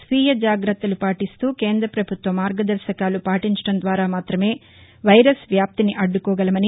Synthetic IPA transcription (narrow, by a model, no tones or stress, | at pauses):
sʋiːjɐd͡ʒaːɡɾɐt̪ːɐlupaːʈist̪uːke̞ːnd̪ɾɐpɾɐbʱut̪ʋɐmaːɾɡɐd̪ɐɾʃɐkaːlupaːʈiɲt͡ʃɐ̥ʈɐnd̪ʋaːɾaːmaːt̪ɾɐme̞ː | ʋɐjɾɐsʋjaːp̚t̪iniʔɐɖːukɔːɡɐlɐmɐni